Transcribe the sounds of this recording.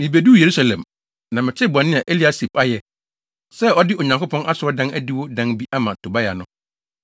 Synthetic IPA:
mĩ˨be˨du˦˨je˨ɾu˦sa˨lɛ̃˨m | nã˨mɪ̃˨t͡ɕʰɛ˦˨bʊ˨ã˨nɪ̃˦a˨ʔe˦li˦a˦si˨pa˦jɛ˨ | sɛ˦ɔ˦dɪ˦o˨ɲã˨ŋkʰo˦pʰɔ̃˦nʔa˦sʊ˨˦ɔ˦dã˦næ˦di˦wo˦dã˦nbi˦ʔa˦mã˨tʰo˨ba˦ja̰˨nʊ̃˦

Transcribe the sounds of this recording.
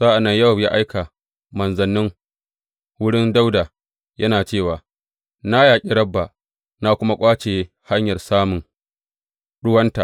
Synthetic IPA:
zaː˦ʔa˨nːɐ˦ɲjɐ˦˨wja˦ʔa˦jka˨ | mɐ˨nzɐ˨nːɪ˦ŋ | wʊ˦ɽɪ˦nda˦wda˨ | jʔɐ˦naː˨t͡ʃeː˦˨waː˨ | na˦jaː˨kʲʼi˦ɽɐ˦bːa˨ | na˦kʷʊ˦ma˦kʷʼaː˦t͡ʃeː˨˦ | ha˦ɲjɐ˨rsaː˦mʊ˨ŋ | ɽʊ˦wɐ˦nta˨ʔ

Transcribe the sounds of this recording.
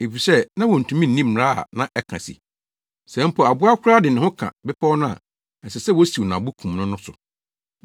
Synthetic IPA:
e˨fi˨sɛ˦nã˦wɔ˨n̩˨tʰũ˨mĩ˦n̩ː˦ĩ˦m̩ː˨ɾa˦a̰˨nã˨˦ʔɛ˦kʰã̰˨sḭ˨ | sɛ̃˨˦m̩˦pʰɔ˨a˨bʊ˦a˦kʰʷʊ˦ɾa˦dɪ˨nɪ̃˨hʊ̃˦kʰã̰˨bɪ˦pʰa˦wnʊ̃˦a̰˨ | sɛ˨sɛ˦˨wɔ˦si˨wnã˨bʊ˦kʰũ˨mnʊ̃˦nʊ̃˦sʊ˨

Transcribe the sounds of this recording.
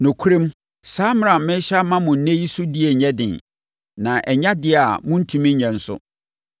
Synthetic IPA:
nʊ̃˨kʰu˦ɾɪ̃˦m | saː˦m˦ã˨mɪ̃˦ɕa˦mã˦mʊ̃˨n̩˦nẽ˦ji˦sʊ˦di˦e˨ɲɛ˦dɪ̰̃˨n | nã˨ʔɛ˨ɲa˦dɪ˦a˨mʊ̃˦n̩˦tʰũ˨mĩ˦ɲɛ̃˨n̩˦sʊ̰˦

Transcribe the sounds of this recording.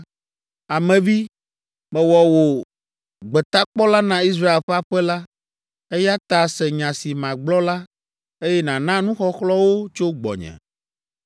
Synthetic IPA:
a˨mɛ̃˨vi˦ | mɛ̃˨wɔ˨wo˨ | ɡ͡bɛ˨t̪a˦k͡pɔ˦la˦nã˦i˦s̬ɾa˦e˨lɸa˦ɸɛ˦la˦ | e˦ja˦t̪a˨sɛ˨ɲã˨si˨mã˨ɡ͡blɔ˦la˦ | e˦jɛ˦nã˨nã˦nũ˦xɔ˦xlɔ˦wo˦t͡ʃo˦ɡ͡bɔ̰˨ɲɛ̰̃˨

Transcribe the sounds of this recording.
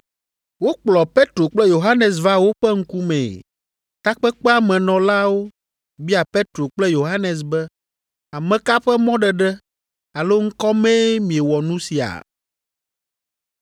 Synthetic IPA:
wo˦k͡plɔ˨pe˦t̪ɾo˨k͡plɛ˦jo˨ɦa˦nɛ˨s̬va˦wo˦ɸɛ˦ŋ̩˦ku˦mɛ̰̃˨ | t̪a˦k͡pɛ˦k͡pɛ˦a˨mɛ̃˨nɔ̃˨la˦wo˦ | bi˦a˨pe˦t̪ɾo˨k͡plɛ˦jo˨ɦa˦nɛ˨s̬bɛ˦ | a˨mɛ̃˨ka˦ɸɛ˦mɔ̃˦ɖɛ˨ɖɛ˦ | a˨lo˦ŋ̩˦kɔ˦mɛ̃˦mĩ˨e˨wɔ˨nũ˦si˨a̰˨

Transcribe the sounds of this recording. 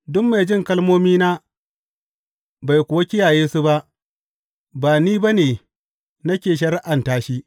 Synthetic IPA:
dʊ˦mːa˨jd͡ʒɪ˦ŋkɐ˦lmoː˦miː˦naː˦ | ba˨jkʷʊ˨wa˦kʲɪ˦jaː˨jeː˦su˦ba˦ʔ | baː˨niː˦ba˦neː˨ | nɐ˦kʲeː˨ʃ̬ɐ˦ɾʔa˨ntaː˦ʃi˦ʔ

